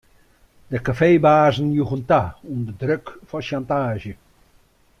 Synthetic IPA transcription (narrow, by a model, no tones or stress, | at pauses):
d̥əkafeːbaːzən̩juɣəntaundədrøkfɔʃantaːʒjə